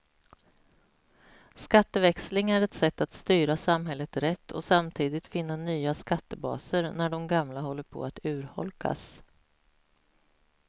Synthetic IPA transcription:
skat̪ːəvɛkslɪŋæɾɛt̪sɛt̪ːat̪st̪yːɾasamɦɛlːət̪ɾɛt̪ːɔ̰samt̪ʰiːd̪ɪt̪fɪnːanyːaskat̪ːəbɑ̰ːsəɾnæɖɔmɡamlaɦɔlːəɾpʰɔ̰at̪ʉ̟ːɾhɔ̰lkʰa̰s

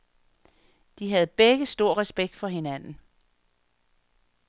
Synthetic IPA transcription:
d̥iɦæð̩ˠb̥eɡ̥əsd̥o̝ɐ̰ʁɛsb̥eɡ̥̚d̥fɒ̽ɦe̝nænn̩

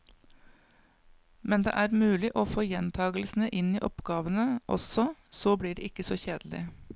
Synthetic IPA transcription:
mɛnd̪ḛːʔæːɾmʉːlɪʔoːfoːjɛnt̪ʰɑːɡl̩sn̩əʔɪniːʔɔpɡɑːʋənəʔɔ̰sɔsoːbliːɖḛːɪkəsoːçeːd̪l̩ɪ̰

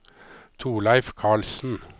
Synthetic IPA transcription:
t̪ʰuːlæɪfkʰɑːɭsn̩

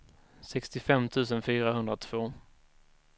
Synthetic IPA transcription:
sɛkst̪ɪfɛmːt̪ʰʉ̟ːs̬ənfyːɾaɦɵnd̪ɾat̪ʰv̥oː

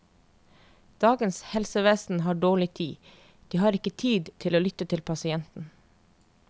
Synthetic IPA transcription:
d̪̥ɑːɡənshɛlsəʋeːsn̩hɑːɖoːɭɪt̪ʰiː | d̪̥iːhɑːɾɪkət̪ʰiːd̪t̪ʰɪloːlʏt̪ət̪ʰɪlpʰɑsɪɛnt̪n̩

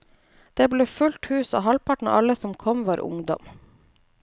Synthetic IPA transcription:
d̪̥eːbleːfʉlʈ̪hʉːso̰ːɦɑlpʰɑʈɳ̩̰ʔɑləsɔmkʰɔmʋɑːɾʔʊ̰ŋd̪ɔ̰m

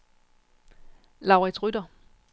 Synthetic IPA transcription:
lɑ̈ʊʁɛt͡sʰʁyd̥ɐ

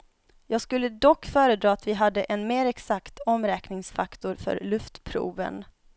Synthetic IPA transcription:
jɑːɡskɵlːəd̪ɔkːfœːɾəd̪ɾɑːat̪vɪɦad̪ːəʔɛnmeːɾɛksakt̪ɔmɾɛːknɪŋsfakt̪ʊɾfœ̰ɾlɵft̪pʰɾṵːvə̰n

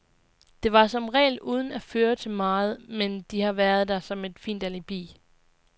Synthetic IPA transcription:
d̥e̝ʋɑ̈sɒ̽mʁɛ̰ːɪluːð̞ˠn̩æføːɐt͡sʰe̝lmɑ̈ːð̞̩ˠmend̥ihɑ̈ʋæɐð̞̩ˠd̥æsɒ̽me̝d̥fḭːnd̥ælib̥ḭː

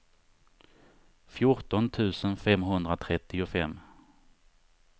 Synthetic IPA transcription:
fjʊʈɔnt̪ʰʉ̟ːsənfɛmɦɵnd̪ɾat̪ʰɾɛt̪ːɪʊfɛmː

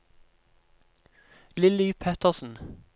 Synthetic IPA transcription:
lɪlɪpʰɛt̪əʁsn̩

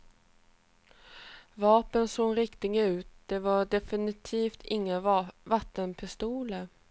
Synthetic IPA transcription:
vɑːpənsoːɾɪkt̪ɪɡəʉ̟ːt̪̚d̪̥ɛvaɖɛfɪnɪt̪ʰiːft̪ʰɪŋːəvat̪ːənpʰɪst̪uːlə

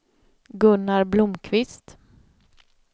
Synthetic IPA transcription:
ɡɵnːaɾblʊmkʰvɪst̪

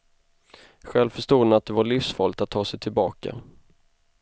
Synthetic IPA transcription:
ɧɛlvfœʂʈuːənat̪̚d̪ɛvaɭiːfsfɔlt̪at̪ʰːɑːsɛjt̪ʰɪlbɑːka̰

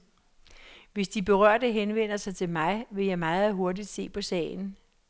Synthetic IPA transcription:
ʋe̝sd̥ib̥e̝ʁɶɐ̰dəɦenʋen̰ɐsɑ̈ɪt͡sʰe̝lmɑ̈ɪʋe̝jɑ̈ɪmɑ̈ːð̞̩ˠɦo̝ɐdid̥se̝̰ːpʰɒ̽sɛ̰ːɪn̩

